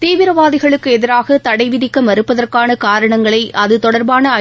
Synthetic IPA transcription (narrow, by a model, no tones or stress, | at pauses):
t̪eːʋɪɾɐʋaːðɪɣɐɭɯkːɯɛðɪɾaːɣɐt̪ɐɽɐɪʋɪɾɪkːɐmʋɐɾɯpːɐðɐrkaːnɐkaːɾɐɳɐŋɡɐɭɐɪʔɐðɯt̪ɔɽɐɾbaːnɐɐ